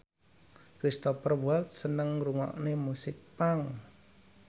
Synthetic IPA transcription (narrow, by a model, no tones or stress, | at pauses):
kɾist̪ɔpərbuat̪̚sənəŋɾuŋɔ̰ʔnemusɪk̚paŋ